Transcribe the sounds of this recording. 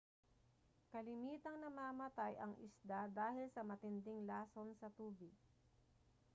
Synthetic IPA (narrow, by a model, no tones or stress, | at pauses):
kɐlɪmiːt̪ɐŋnɐmaːmɐt̪ajʔɐŋʔɪ̰sd̪ad̪aːhɪlsɐmɐt̪ɪnd̪ɪŋlaːsonsɐt̪uːbɪɡ̚